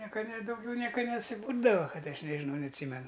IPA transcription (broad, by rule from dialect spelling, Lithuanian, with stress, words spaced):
ˈnʲiɛkɐ nʲɛ dɐʊˈɡʲɛʊ ˈnʲiɛkɐ nʲɛsʲɪˈbuːrdɐʋɐ ˈkɐt ˈɐʃ nʲɛʒʲɪˈnɐʊ nʲɛɐtʲˈsʲiːmʲɛnʊ